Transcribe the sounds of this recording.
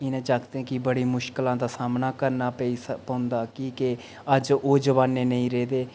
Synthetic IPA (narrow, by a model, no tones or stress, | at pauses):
ɪnẽːt͡ʃaːkd̪eɛ̃kɪbəɽiːmʊʃkəlãːd̪aːsaːmnaːkəɾnaːpəiːspəːʊ̃nd̪aːkiːke | əd͡ʒoːd͡ʒəʋaːnːeːnəĩːɾeːd̪eː